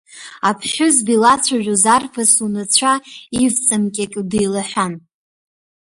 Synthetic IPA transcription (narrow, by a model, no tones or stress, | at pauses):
apʰʃʊzdilat͡sʷʰaʒʷᶣuzarfʰasunɨt͡ɕʷʰaivt͡sʼɨmkʲʼakʲʼdiːlaħʷᶣan